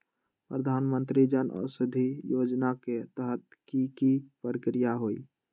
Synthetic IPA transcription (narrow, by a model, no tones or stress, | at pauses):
pɾəd̪ʱanmənt̪ɾid͡ʒənʔə̰səd̪ʱijod͡ʒnaket̪əɦət̪̚kikipɾəkɾijaɦoi